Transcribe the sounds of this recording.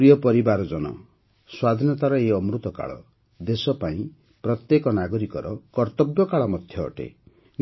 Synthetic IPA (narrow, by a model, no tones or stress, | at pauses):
ɾijɔpɔɾibaɾɔd͡ʒɔnɔ̰ | swad̪ʱinɔt̪aɾɔeɔmɾut̪ɔka̰ɭɔ̰ | d̪esɔpaĩ | pɾɔt̪jekɔnaɡɔɾikɔɾɔkɔɾt̪ɔbjɔkaɭɔmɔd̪ʱjɔ̰ːʈḛ | n